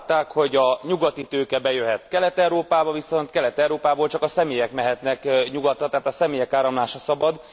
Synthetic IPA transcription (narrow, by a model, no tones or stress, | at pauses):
t̪ːaːkho̞ɟɒɲuɡɒt̪it̪øːkɛbɛjøɦɛt̪kɛlɛt̪ɛwɾoːpaːbɒviso̞nt̪kɛlɛt̪ɛwɾoːpaːboːlt͡ʃɒkɒsɛmeːjɛkmɛɦɛt̪nɛkɲuɡɒt̪rɒt̪aɦːt̪ɒsɛmeːjɛkaːɾɒmlaːʃɒsɒbɒd̪